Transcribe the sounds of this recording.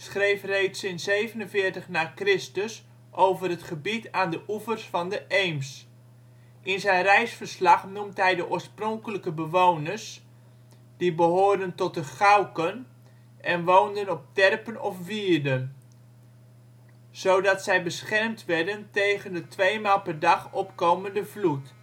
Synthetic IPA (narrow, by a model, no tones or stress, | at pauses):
sχrejfrejtsɪnsejvənənvɪːrtəχnaːkrɪstəs | ʔowvərətχəbitaːndəʔufərsfɑndəʔejms | ʔɪnzɛjnrɛjsfərslɑχnumtɦɛjdəʔoːɹsprɔŋkələkəbəʋownərs | d̥ibəɦoːɹdəntɔt̚əχawkən | ʔɛnʋowndənɔp̚tɛrpənɔfʋiːrdən | sowdɑtsɛjbəsχɛrmtʋɛɹdəntejɣəndətʰʋejmaːlˠpɛrdɑχɔpkoːməndəvlut